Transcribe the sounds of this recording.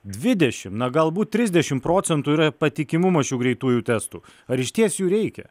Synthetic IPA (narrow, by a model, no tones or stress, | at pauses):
d̪ʲʋʲɪd̪ʲɛʃʲɪmnɐɡɐlˠbuːt̪̚tʲɾʲɪzʲd̪ʲɛʃʲɪmpɾoːt̪sʲɛnt̪uiːɾɐpɐt̪ʲɪkʲɪmʊmɐʃʲuːɡɾʲɛɪt̪uːjuːt̪ʲɛst̪uːɐɾɪʃt̪ʲiɛsjuːɾʲɛɪkʲɛ̰